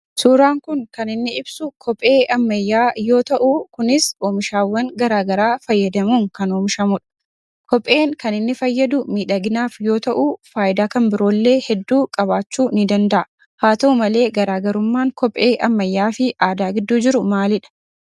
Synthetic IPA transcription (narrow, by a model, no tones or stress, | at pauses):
suːɾaːŋkʊŋkɐnɪnːɪɪbsʊkʰɔpʼe̞ːʔɐmːɐjːaːjo̞ːt̪ɐʔukʊnɪsoːmɪʃaːwːɐŋɡɐɾaːɡɐɾaːfɐjːɐd̪ɐmuːŋkɐnoːmɪʃɐmʊᶑɐ̥ | kɔpʼːe̞ːŋkɐnɪnːɪfɐjːɐd̪ʊmiːᶑɐɡɪnaːfjo̞ːt̪ɐʔuːfaːʔɪd̪aːkɐmbɪɾo̞ːlːe̞ːhɛd̪ːuːkʼɐbaːt͡ʃːuːnɪd̪ɐnd̪ɐʔɐ | haːt̪ɐumɐle̞ːɡɐɾaːɡɐɾʊmːaːŋkɔpʼʔe̞ːʔɐmːɐjːaːfɪʔaːd̪aːɡɪd̪ːuːd͡ʒɪɾʊmaːlɪᶑɐ̥